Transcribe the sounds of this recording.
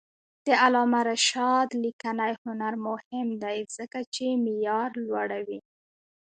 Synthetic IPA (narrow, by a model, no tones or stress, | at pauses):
d̪̥əalɑmaɾaʃɑd̪likanajhʊnaɾmʊhɪmd̪ajz̥əkat͡ʃemijɑɾlwaɽawi